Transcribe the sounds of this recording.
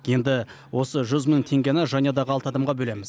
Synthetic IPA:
je̞nd̪ɪ | wo̞səʒʏzməŋt̪ʰe̞ŋɡʲenɪʒɑnijɑd̪ɑʁəɑlˠt̪ɑd̪ɑmʁɑbɵlemɪz

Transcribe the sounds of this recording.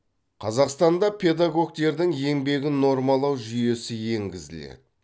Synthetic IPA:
qʰɑzɑqst̪ɑnd̪ɑpʲʰe̞d̪aɡo̞ɡ̚t̪e̞ɾd̪ɪŋje̞ŋbe̞ɡʲɪno̞ɾmɑlˠɑwʒʏje̞sɪje̞ŋɡʲɪzɪ̰lḛd̪ɪ

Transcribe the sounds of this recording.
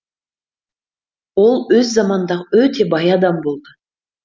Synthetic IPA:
o̞lˠɵzːɑmɑnnd̪ɑʁəøt̪ʰe̞bɑjɑd̪ɑmbo̞lˠd̪ə

